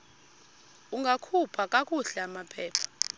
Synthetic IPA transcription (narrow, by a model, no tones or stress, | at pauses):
uŋɡʱakʰupʰakʼakʼuɬɛamapʰɛːpʰḁ